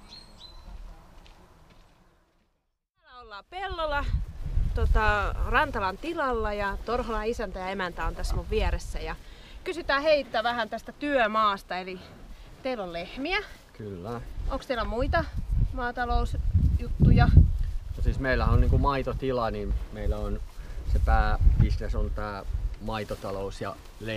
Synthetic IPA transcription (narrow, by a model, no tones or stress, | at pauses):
tæːlːæolːɑːpelːolɑt̪ot̪ɑrɑnt̪ɑlɑnt̪ilɑlːɑjɑt̪orholɑisænt̪æjɑemænt̪æont̪æsːmuʋʋiɛɾesːæjɑ | kysyt̪æːheit̪ːæʋæhænt̪æst̪æt̪yømɑːst̪ɑeli | t̪eilːollehmiæ | kylːæʔoŋkst̪eilæmuit̪ɑmɑːt̪ɑlousjut̪ːujɑnosiːsmeilːˑæhæonniːŋkumɑit̪ot̪ilɑninmeilːˑæonsepæːb̥isnesont̪æːmɑit̪ot̪ɑlousjɑ̰ | le